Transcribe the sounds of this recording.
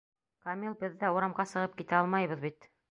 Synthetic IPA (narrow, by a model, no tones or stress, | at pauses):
kɐmilˠbɘðːæuɾɑmʁɑsɤ̆ʁɤp̚kit̪æɑlˠmɑjβɤ̆ðbit̪